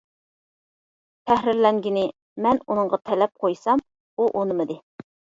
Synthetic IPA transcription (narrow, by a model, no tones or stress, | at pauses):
t̪ʰæhɾɪɾlɛŋɡʲinɪ | mɛnunɨŋʁɑt̪ʰɛlɛp̚qʰojsɑm | uʔonɨmɨd̪ɨ